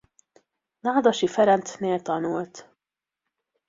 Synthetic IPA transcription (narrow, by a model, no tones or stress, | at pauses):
laːd̪ɒʃifɛɾɛnt̪neːlt̪ɒnult̪